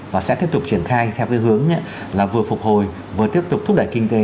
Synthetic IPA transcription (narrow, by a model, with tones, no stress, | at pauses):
vaː˨˩sɛ̰˧˥t̪i˦˥əp̚t̪k͡p̚t͡ɕi˧˩ənxaː˧jt̪ʰɛ˧wkaː˨˦jɦɨ˨˦əŋɲa˨˦ | laː˨˩vɨ˨˩əfʊ˨˩k͡p̚ho˨˩j | vɨ˨˩ət̪i˦˥əp̚t̪ʊ˨˩k͡p̚t̪ʰʊ˦˥ɗə˧˩jkï˧ŋ̟t̪e˨˦